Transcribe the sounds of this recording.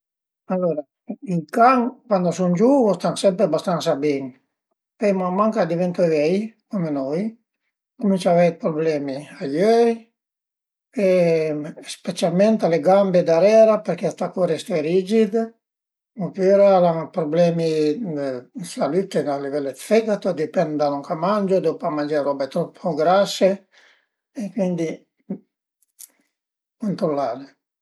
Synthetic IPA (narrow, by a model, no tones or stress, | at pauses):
alːoɾa | ilkaŋkwand̪osund͡ʒuost̪aŋsɛmpɾebast̪ansabɛŋ | pɛjmamːaŋkad̪ivɛnt̪oevɛjkomenoj | komint͡ʃavɛj̪̚pɾoblɛːmiajøj | e | spet͡ʃalmɛnt̪aleɡambed̪aɾɛːɾapeɾkeat̪akoɾest̪eɾid͡ʒid̪ | opyɾalaŋpɾoblɛːmi | salyt̪ːealivɛlːet̪fɛɡat̪od̪ipɛnd̪d̪anuŋkʰamand͡ʒod̪opamand͡ʒaɾɔbet̪ɾɔpʰːoɡɾasːe | ekwind̪i | kont̪ɾolːaːɾe